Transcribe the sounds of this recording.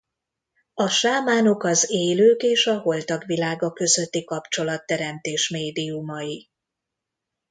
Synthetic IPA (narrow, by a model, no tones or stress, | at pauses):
ɒʃaːmaːno̞kɒzeːløːkeːʃɒɦo̞lt̪ɒɡʋilaːɡɒkø̞zøt̪ːikɒpt͡ʃo̞lɒt̪ːɛɾɛmt̪eːʃmeːd̪iumɒji